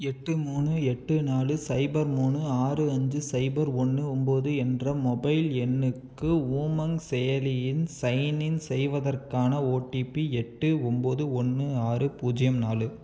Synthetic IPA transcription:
ɛʈːɯmuːnɯɛʈːɯnaːlɯsɐɪbɐɾmuːnɯaːrɯɐɲd͡ʒɯsɐɪbɐɾɔnːɯɔmboːðɯɛndrɐmɔbɐɪlɛnːɯkːɯuːmɐŋsɛjɐlɪjɪnsɐɪjnɪnsɛjʋɐðɐrkaːnɐoːʈːipiɛʈːɯɔmboːðɯɔnːɯaːrɯpuːd͡ʒɪjɐmnaːlɯ

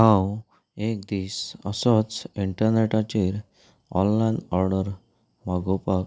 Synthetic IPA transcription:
ɦãw | ek̚d̪iːsə̰sɔt͡siɳʈəɾneʈat͡ɕiɾ | ɔ̰̃nlajnɔɾɖəɾ | maɡopak

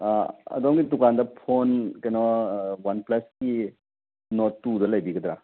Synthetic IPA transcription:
aɐ̰dɔmɡidukandɐpʰonkajnɔwanplaski | nɔtːudɐlajbiɡɐd̪ɾa

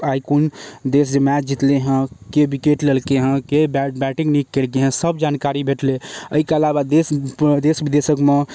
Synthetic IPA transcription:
aikund̪es̬d͡ʒəmɛd͡ʒit̪leɦə̃kebikeʈlelkeɦə̃kebbɛʈiŋnikːelk̬eɦə̃səbd͡ʒankaɾibʱeʈleəikeəlabad̪esd̪esbid̪esəkme

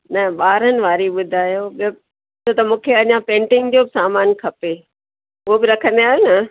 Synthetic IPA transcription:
nɐɓaːɾənɪ̆ʋaːɾiɓʊd̪ʱaːjob | t͡ɕʰot̪ɐmũːkʰeɐɲãpẽːɳʈɪ̃ŋɡt̪ʰiobɪsaːmaːnkʰɐpe | ʊɦobɪɾɐkʰə̃n̆d̪iaːɦjonɐ

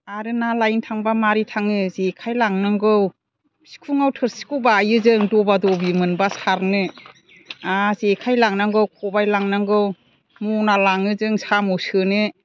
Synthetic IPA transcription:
aɾɯnalajntʰaŋbamaɾitʰaŋɯzekʰajlaŋnaŋɡɯw | si̥kʰuŋawtʰɯɾsi̥kʰuwbaːjɯzɯŋdɔbadɔbimɯnbasaɾnɯ | azekʰajlaŋnaŋɡɯwkʰɔbajlaŋnaŋɡɯw | mɔnalaŋɯzɯŋsamɯwsɯnɯ

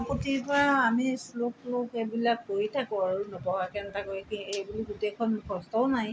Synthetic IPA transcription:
pɔtipɹaːmisloklokebilakːojtʰakʊaɹunɔpɔwakɛntakokiejbuliɡutekʰɔnkʰɔstɔʊnaj

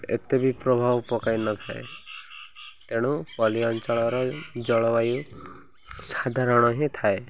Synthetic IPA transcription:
ḛt̪ebipɾɔbʱawpɔkajnɔt̪ʰaḛ | t̪eɽ̃upɔliɔnt͡ʃɔɭɔɾɔd͡ʒɔɭɔwaju | sad̪ʱaɾɔɽ̃ɔɦẽt̪ʰae

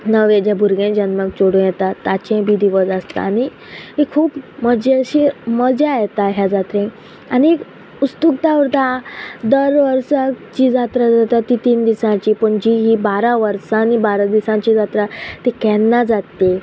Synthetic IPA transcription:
nəʋẽd͡ʑjabʱuɾɡẽd͡ʑənməkt͡soɽũjɛt̪at̪ːat͡ɕẽbid̪ʱiʋəd͡zast̪a̰ːni | ɦekʰuːpməd͡ʑeɕiməd͡zeajt̪aɦjad͡zat̪ɾẽ | aniek | ust̪uk̚t̪aʋəɾt̪ad̪əɾʋəɾsat͡ɕiːd͡zat̪ɾad͡zat̪ait̪iːnd̪isãt͡ɕiːpəɳd͡ʑiɦiːbaɾaʋəɾsãːnibaɾad̪isãt͡ɕiːd͡zat̪ɾat̪ekɛnːad͡zat̪ːe

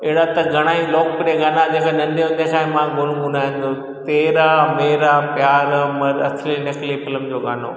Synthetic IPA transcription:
ɪɦɽat̪ɐɡʱɐɽ̃aːiloːk̚pɪɾieɡaːnad͡ʑeːkanɐ̃nd̪jõd̪esaːĩmãɡʱʊnɡʊnaːɦɪ̃nd̪o | t̪eːɾameːɾapjaːɾmɐɾɐsʰlinɐklifɪləmd͡ʑoːɡaːno̰ː

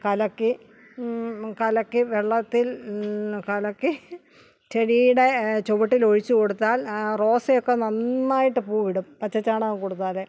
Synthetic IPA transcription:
kɐlɐkːɨ | kɐlɐkːɨʋeɭːɐt̪ːil | kɐlɐkːɨ | t͡ɕeɻijɽe̞t͡ɕoʋuʈːilo̞ɻit͡ɕːɨko̞ɽut̪ːaːlro̞ːsejokːenɐnːaːjiʈːɨpuːʋiɽumpɐt͡ɕːɐt͡ɕːaːɳaːnkoɽut̪ːaːle

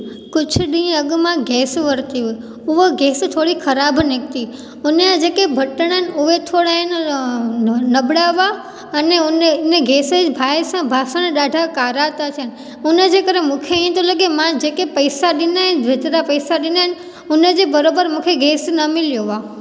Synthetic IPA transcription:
kʊt͡ʃʰɗĩəɡmãɡɛsʋəɾt̪iɦo | uʋoɡɛst̪ʰoɽikʰəɾabnek̚t̪i | uneãd͡ʒekebʱəʈəɳ̃ənuʋet̪ʰoɽaen | nəbɽaʋa | əneuneneɡɛsed͡ʒbʱajsãbʱasaneɗaɖʱakaɾat̪at͡ʃʰen | uned͡ʒekəɾemũkʰẽt̪õləɡemãd͡ʒekepəjsaɗɪnaeʋet̪ɾapəjsaɗɪnan | uned͡ʒebəɾobəɾmũkʰeɡɛsnəmɪljoʋa

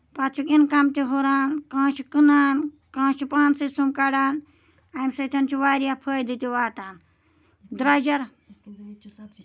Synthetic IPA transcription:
pat͡ʃʰukinkamt̪iɦoɾaːnkãːt͡ʃʰikɨnaːn | kãːt͡ʃʰipaːnsɨsumkaɽaːn | ajmsɐt̪ʰɐnt͡ʃʰiʋaːɾijapʰəːjd̪ɨt̪iʋaːt̪aːn | d̪ɾad͡ʒɐɾ

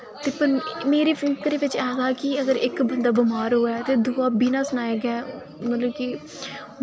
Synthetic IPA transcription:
t̪eːpəɾmeːɾeːpʰɪŋkɾeːʋɪt͡ʃɛːɡaːkɪəɡəɾɪkbənd̪aːbɪmaːɾɦoːaːt̪eːd̪uaːbʱiːnãːsʊnaːeːɡɛː | mət̪ləbki

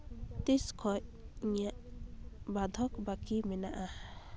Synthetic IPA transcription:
t̪iskʰɔcŋijaʔ | bad̪ʱɔkbakimɛnaʔa

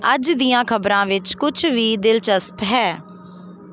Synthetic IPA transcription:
əd͡ʒd̪ijãːkʰəbɾãːʋɪt͡ʃkʊt͡ʃʰʋiːd̪ɪlt͡ʃəspɦɛː

